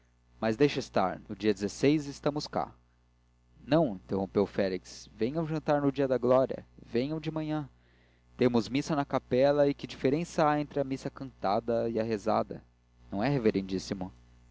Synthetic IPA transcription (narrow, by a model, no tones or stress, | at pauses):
mɐzd̪ejʃɐist̪a̰ɾnʊd͡ʒiɐd͡ʒɪzesejzɪst̪ɐ̃mʊska̰ | nɐ̃w̃ĩnt̪ehõpewfɛliksvẽɲɐ̃w̃ʒɐ̃nt̪aɾnʊd͡ʒiɐd̪ɐɡlɔɾiɐ̰vẽɲɐ̃w̃d͡ʒɪmɐ̃ɲɐ̃ | t̪ẽmʊzmisɐnɐkapɛlɐikɪd͡ʒifeɾẽsɐaẽnt̪ɾɪɐmisɐkɐ̃nt̪ad̪ɐiaɦeza̰d̪ɐ̰ | nɐ̃w̃ɛɦeveɾẽnd͡ʒisimʊ